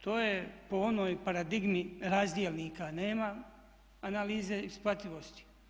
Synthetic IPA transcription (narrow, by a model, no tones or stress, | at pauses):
t̪o̞ːjepo̞o̞noːjpaɾad̪iɡmiɾazd̪jelʲniːkaneːma | analiːzeisplˠat̪iʋo̞st̪i̥